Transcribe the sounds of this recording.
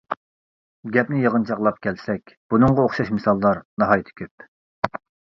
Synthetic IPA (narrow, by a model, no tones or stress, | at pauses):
ɡʲɛpnɪjəʁənt͡ʃʰɑqlˠɑp̚kʲʰɛlsɛkʲb̥unɨŋʁɑoχʃɑʃmɨsɑlˠːɑɾnɑɦɑjit̪ʰɪ̥kʲʰøp̚